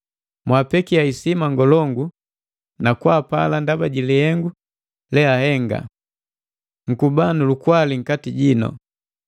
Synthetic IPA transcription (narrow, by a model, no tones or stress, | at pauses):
mwaːpɛkiaisimaŋɡɔlɔŋɡu | nakwapa̰landabaɟilihɛŋɡu | lɛahɛŋɡa̰ | ŋ̩kubanulukwaliŋ̩katiɟinɔ̰